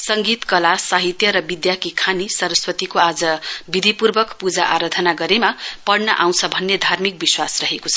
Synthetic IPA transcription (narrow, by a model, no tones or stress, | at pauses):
sʌŋɡit̪kʌlasaɦit̪jʌɾʌbid̪jakikʰanisʌɾʌswʌt̪ikoad͡zʌbid̪ʱipurbʌkpud͡zaʔaɾʌd̪ʱʌnaɡʌɾemapʌɽnʌʔaw̃t͡sʰʌbʱʌnːed̪ʱarmik̚biswasrʌɦekot͡sʰʌ